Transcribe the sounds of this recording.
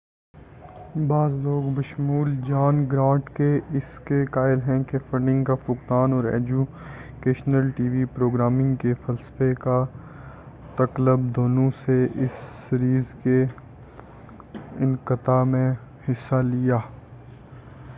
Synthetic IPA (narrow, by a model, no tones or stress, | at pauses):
baːzloːɡbɐʃmuːld͡ʒaːnɡɾãːʈkeʔɪskekaːɪlɦɛ̃kefɐ̃ɳɖɪ̃ŋɡkafʊkt̪aːnɔːɾɛ̰ːd͡ʒu | keːʃnəlʈiːʋipɾoːɡɾaːmɪ̃ŋɡkefɐlsə̥feka | t̪ɐkləb̚d̪oːnõseʔɪsɾiːzke | ɪnkɪt̪amẽ | hɪsːalijaː